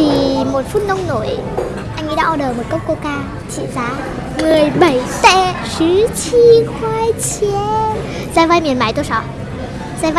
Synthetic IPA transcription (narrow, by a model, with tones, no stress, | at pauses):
i˨˩mo˨˩t̚fu˦˥t̚nə˧wŋ͡mno˧˩j | ʔa˧jŋḭ˧˥ɗa̰ː˧˥ʔɔ˧˩ɗəː˨˩mo˨˩kə˦˥wŋ͡m̚ko˧kaː˧ | t͡ɕḭ˧˨zaː˨˦ | mɨ˨˩əjɓə˧˩jt̪ɛ̰˧˥ | sɨ˨˦t͡ɕi˧xwaː˧jt͡ɕi˧˦n | zaː˧˦va˧jmi˨˩ənmaː˧˩jt̪o˧jsɔ˧˦ | zaː˧va˧